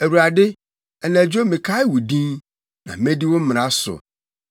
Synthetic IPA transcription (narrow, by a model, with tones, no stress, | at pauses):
æ˨wu˨ɾa˨dɪ˦ | ɛ˨næ̃˨d͡ʑᶣo˦mɪ̃˨kʰa˦ɪ˦wu˨dĩ˦n | nã̰˨mɛ̃˦di˦wo˦m̩˦m̃˨ɾã˦sʊ̰˨